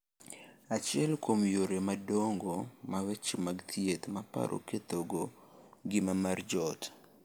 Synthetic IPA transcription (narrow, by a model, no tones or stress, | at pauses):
at͡ʃɪɛlkomjoɾemadoŋɡomawɛt͡ʃmaɡt̪ʰjet̪mapa̰ɾʔo̰ket̪oɡo | ɡɪmamard͡ʒɔt